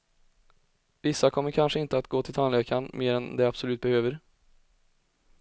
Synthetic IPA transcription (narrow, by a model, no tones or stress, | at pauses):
vɪsːakʰɔmːəɾkʰanʂəɪnt̪əat̪ɡoːt̪ɪlt̪ʰanleːkanmeːɾɛnd̪ɛabsɔlʉ̟ːt̪̚bɛhøːvəɾ